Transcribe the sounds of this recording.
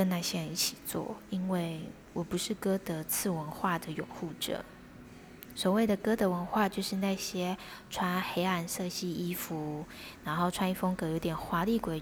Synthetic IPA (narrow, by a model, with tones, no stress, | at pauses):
ə˥na˥˩ɕjɛ˥ɻə˧ni˥˩t͡ɕʰi̥˨˩t͡swɔ̰˥˩i˥nwe˥˩ɪ | wɔ˨˩pu˧˥ʂɻ̩˥˩kɤ˥d̪ə˨t͡sʰɹ̩˥˩wə˧˥nxwa˥˩d̪ə˩jʊ˨˩ŋxu˥˩ʈ͡ʂɤ̰˨˩˦ | swɔ˨˩we˥˩ɪd̪ə˩kɤ˥d̪ə˧wə˧˥nxwa˥˧t͡ɕjo˥˧ʊʂɻ̩˥˧na˥˩ɕjɛ˥ʈ͡ʂʰwa˥nxe˧˥ɪa˥˧˩nʂɤ˥˧ɕi˥˩i˥fu˧˥na˧˥nxo˥˩ʊʈ͡ʂʰwa˥ni˥fo˥ŋkɤ˧˥˩jo˧˥ʊt̪jɛ˨˩nxwa˧˥li˥˩kwe˥˩ɪ